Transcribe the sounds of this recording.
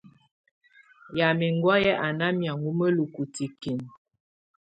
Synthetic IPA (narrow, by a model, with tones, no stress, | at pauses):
ja˨mi˨ŋɡwɔ˦jɛ˦ʔa˨na˦mja˨ŋɡu˦mə˦lu˨ku˨ti˨ki˨n